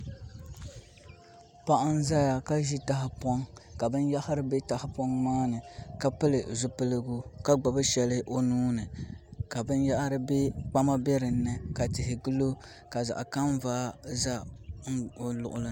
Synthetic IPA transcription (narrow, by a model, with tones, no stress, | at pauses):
pa˦ʔa˦n˦za˦ja˨ka˦ʒi˦ta˦hɪ˨pɔ˦ŋka˨bɨ˦nja˦hɪ˦ɾɨ˦be˦ta˨hɪ˦pɔ˦ŋmaː˦nɨ˨ka˦pɨ˦lɨ˨zʊ˦pɨ˦lɨ˦ɡʊ˦ka˦ɡ͡ba˨bɨ˦ʃɛ˨lɨ˦ʔo˦nuː˦nɨ˨ka˨bɨ˦nja˦ʔɾɨ˦be˦k͡pa˦ma˦bɛ˦ɾɨ˨n̩ː˦ɨ˨ka˨tɪ˨hɪ˨ɡɨ˦lo˦ | ka˨za̰˨ʔka˦m˦vaː˦za˦˨ | lʊ̰˨ʔʊ̰˨lɨ˦